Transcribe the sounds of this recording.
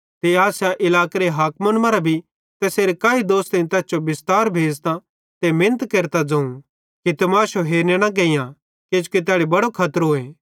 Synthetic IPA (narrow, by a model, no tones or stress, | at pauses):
t̪eaːsjaʔɪlaːkeɾeɦaːkmənmãɾabʱi | t̪ɛseːɾekaːid̪oːst̪enĩt̪ɛːsd͡ʒobɪst̪aːɾbʱeːd͡ʒt̪ã | t̪emɪ̃nət̪keːɾt̪ad͡zɐ̃ũ | kit̪ɐmaːʃoɦeːɾneɽ̃aɡɐ̃ːɪjã | ked͡ʒuket̪̬aːɽebɐɽokʰɐt̪əɾɦoːẽː